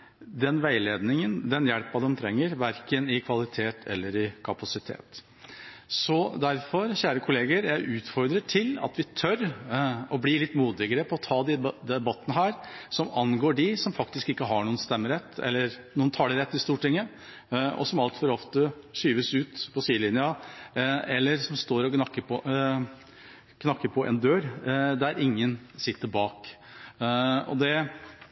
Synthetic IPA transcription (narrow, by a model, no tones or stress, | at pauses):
d̪ɛnʋæɪleːd̪nɪŋənd̪ɛnjɛlpɑd̪ɛmt̪ʰɾɛŋːəɾʋæɾkənɪkʰʋɑlɪt̪ʰeːt̪ʰɛ̰lːəɾɪkʰɑpɑsɪt̪ʰḛːt̪ | sɔd̪æɾfɔɾçæːɾəkʰʊleːɡəɾjæɪʔʉːt̪fɔɾd̪ɾəʈʰɪlɑ̰t̪ʋɪt̪ʰœɾ | ɔblɪlɪt̪ːmuːd̪ɪɡəɾəpʰɔɔt̪ʰɑːd̪ɪd̪ɛbɑt̪ːənəɦæːɾsɔmɑnɡoːɖɪsɔmfɑk̚t̪ɪskɪkːəɦɑɳuːənst̪ɛmːəɾɛt̪ːɛ̰lːəɾnuːənt̪ʰɑːɖəɾɛt̪ːɪst̪uːʈɪŋːə | ɔ̰sɔmɑlt̪fɔɾɔft̪əʂyːʋəsʉːt̪pʰɔsiːəlɪnjə | ɛlːəɾsɔmst̪oːɾɔknɑkːəpɔ | kʰnɑkːəɾpʰɔʔɛ̰nd̪øːɾd̪æɾɪŋːənsɪt̪ːəɾbɑːk | ɔ̰d̪ɛ